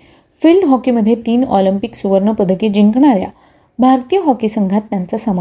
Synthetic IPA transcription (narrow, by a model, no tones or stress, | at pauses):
fiːlɖɦɔkiməd̪ʱːjet̪iːnɔlimpiksuʋəɾɳəpəd̪ʱəked͡ʑiŋkɳ̃aɾja̰ | bʱaɾt̪ijəɦɔkisəŋɡʱat̪njant͡sasam